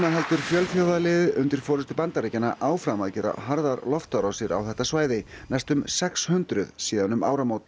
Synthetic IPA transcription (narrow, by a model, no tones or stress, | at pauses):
maɦɛlt̪ʏɾ̥fjœlfjaːwðalɪðʏnt̪ɪɾ̥fɔːɾɪst̪ʏpant̪aɾecanaʔaːwfɾamaðcɛːɾa̰ɦaɾðaɾlɔft̪aɾawsɪɾa̰wθɛht̪ːasvaːjðɪ | nɛjst̪ʏmsɛkshʏnt̪ɾʏðsiːðanʏma̰ːwɾamoːwt̪